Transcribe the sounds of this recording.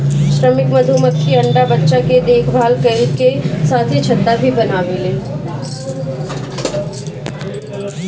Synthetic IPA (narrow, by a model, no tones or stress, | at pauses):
ʃɾəmɪkmɐd̪ʱuːmət̪kiɐ̃ɳɖabətːʃaked̪eːkʰbʱaːlkɐɾiɾkesaːt̪ʰit͡ʃʰɐt̪ːabʱibɐnaːʋeleː